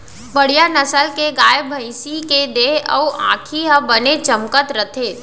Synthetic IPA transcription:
ʋɐɽijanəsəlkeɡaːjəbʱəɪsiked̪eːɦə̰uʔã̰ːkʰiɦəbənet͡ʃɐmkət̪ɾət̪ʰeː

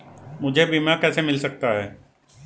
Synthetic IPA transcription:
mʊd͡ʒʱebiːmakɛːsemɪlsɐk̚t̪aɦɛː

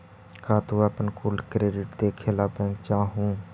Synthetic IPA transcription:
kaːt̪oːaːpənkuːlkɾeːɖɪʈd̪eːkʰeːlaːpɛ̃ːŋɡt͡ʃãːɦũː

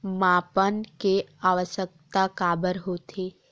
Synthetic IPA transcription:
maːpənkeaːʋəsək̚t̪akaːbəɾɦoːt̪ʰe

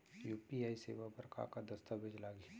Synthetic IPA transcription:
juːpiaːiseːʋabəɾka̰kad̪ɐst̪abʱed͡ʒlaːɡi

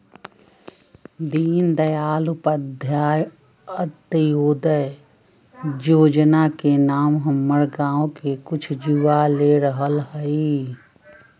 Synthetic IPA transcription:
d̪iːnd̪əjaːlʊpəd̪ʱjaːj | ət̪ːəjoːd̪əj | joːd͡ʒnakenaːmɦəmːəɽɡãːõkekʊt͡ʃʰd͡ʒuʋaleɾəɦəlhəi

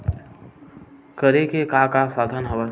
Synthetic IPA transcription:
kəɾekekakasaːd̪ʱənɦəʋə

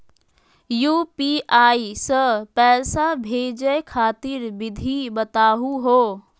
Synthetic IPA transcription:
juːpiʔaːisəpɛːsabʱeːd͡ʒəjkʰaːt̪iɾbɪd̪ʱibət̪aːɦuɦoː

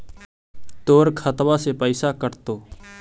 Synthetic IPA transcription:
t̪oːɾkʰət̪ʋasepəɪsakəɾt̪oː

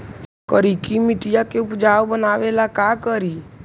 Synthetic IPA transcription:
kəɾikimɪʈijakeʊpd͡ʒaːwbənaːʋelakakəɾi

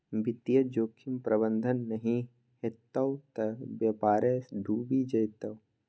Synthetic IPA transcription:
bɪt̪jɐd͡ʒoːkʰimpɾɐbənd̪ʱənːɐɦĩ | het̪ɐwt̪ɐbjɐpaːɾesɖʱuːbid͡ʒɐjt̪ɐw

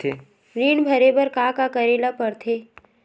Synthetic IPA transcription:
e | ɾiːɳbʱɐɾebəɾkakakəɾeːlapɐɾt̪ʰeː

